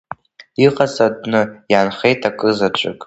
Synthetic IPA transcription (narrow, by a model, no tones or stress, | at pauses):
iqʼat͡sʼadʼnɨjanχe̞jtʰʼakʼɨzat͡ʃʷʼɨkʼ